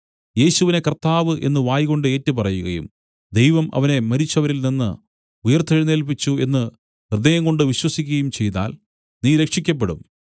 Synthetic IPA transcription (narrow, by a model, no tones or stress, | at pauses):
je̞ːɕuʋine̞kɐrt̪ːaːʋɨʔe̞nːɨʋaːjɣo̞ɳɖɨe̞ːtːɨpɐrɐjuɣɐjṵm | d̪e̞jʋɐmʔɐ̰ʋɐne̞mɐɾit͡ɕːɐʋɐɾilninːɨ̰ | ujɐrt̪ʰːɐɻineːlp̬it͡ɕːue̞nːɨ | rɨd̪ɐjɐŋɡo̞ɳɖɨʋiɕwɐsikʲːuɣɐjumt͡ɕe̞jt̪a̰ːl | niːɾe̞kʂikʲːɐp̬ːe̞ɽṵm